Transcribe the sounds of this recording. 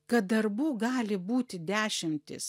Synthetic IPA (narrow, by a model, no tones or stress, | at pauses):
kɐt̪̚d̪ɐɾbuːɡɑːlʲɪbuːt̪ʲɪd̪ʲæːʃʲɪmʲt̪ʲɪ̰s